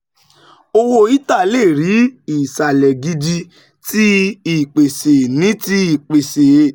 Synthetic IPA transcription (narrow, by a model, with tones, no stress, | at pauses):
o˧wo˧˦i˦ta˦˨le˦˨ɾi˨˦i˨sa˨lɛ˨ɡi˧di˧ | ti˦i˨k͡pe˨se˨nĩ˨˦ti˦i˦˨k͡pe˨se˨˦˨